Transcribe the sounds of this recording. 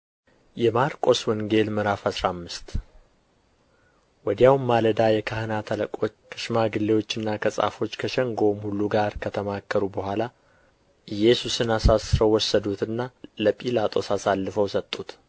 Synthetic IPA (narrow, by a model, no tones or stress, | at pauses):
jɛmaɾkʼo̞swɔŋɡe̞lmɨɾafasɾamːɨst̪ | wɔd̪jawmaləd̪ajɛkʰahɨnat̪ʰələkʼo̞t͡ʃːkʰə̥ʃmaɡɨlːe̞wo̞t͡ʃːɨnːakʰəsʼa̰fo̞t͡ʃːkʰəʃɛŋɡo̞mhuluɡaɾkʰət̪ʰəmakːəɾubəhʷala | ʔɨjɛsusɨnasasɨɾəwwɔsːəd̪ut̪ʰɨnːaləpʼilat̪ʼo̞sasalːɨfəwsət̪ʼːut̪